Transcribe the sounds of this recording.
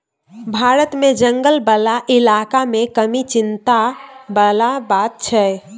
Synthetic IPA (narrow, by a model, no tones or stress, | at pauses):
bʱaɾət̪med͡ʒəŋɡəlbəlaʔilakamekəmit͡ʃint̪abəlabat̪̚t͡ʃʰɛ